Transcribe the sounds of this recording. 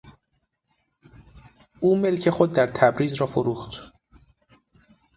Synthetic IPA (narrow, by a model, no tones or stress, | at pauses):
ʔuːme̞lcʰe̞xo̞d̪̚ːæɾt̪ʰæbɾiːzɾɒːfoɾuːxt̪